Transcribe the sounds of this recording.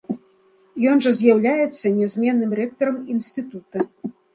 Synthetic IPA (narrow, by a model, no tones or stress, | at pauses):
jɔnʐɐzʲjawlʲajɛt̪sːɐnʲɛzʲmʲɛnːɨmrɛkt̪ɐɾɐminsʲt̪ɨt̪ut̪ɐ